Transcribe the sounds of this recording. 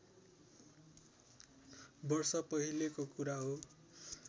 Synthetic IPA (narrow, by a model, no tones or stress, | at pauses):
bʌrsʌpʌɦilekokuɾaɦo